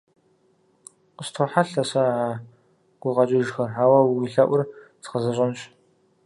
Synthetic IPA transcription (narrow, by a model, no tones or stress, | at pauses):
qəstʰoːħaɬɐsɐaː | ɡ̥ʷʊqɐt͡ʃʼɪʒxɐrħaːwɐwwiɬɐʔʷʊrt͡sqɐzɐɕʼɪnɕ